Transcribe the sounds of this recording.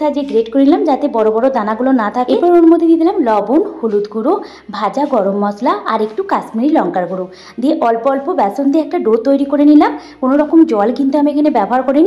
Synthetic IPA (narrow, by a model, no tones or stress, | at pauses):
t̪ʰad͡ʑeɡɾeʈkoɾilamd͡ʑat̪ebɔɾobɔɾod̪anaɡulonat̪ʰakepɔɾeonmod̪ʱied̪id̪ʰilamlɔbonholut̪ɡuɾo | bʱad͡ʑaɡɔɾomːɔslaʔaɾekʈukasmiɾilɔŋkaɾɡuɾo | d̪eʔɔlpoɔlpobɛsond̪eɛk̚ʈaɖot̪ːojɾikoɾenilamkonoɾɔkomd͡ʑɔlkint̪uamiekʰanebɛbɔɦaɾkoɾeni